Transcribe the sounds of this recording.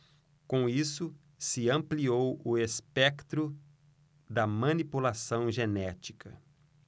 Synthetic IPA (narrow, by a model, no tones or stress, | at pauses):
kõisʊ | sɪɐ̃mpliowʊespɛkt̪ɾʊ | d̪ɐmɐ̃nipulasɐ̃w̃ʒenɛt͡ʃi̥kʰɐ̰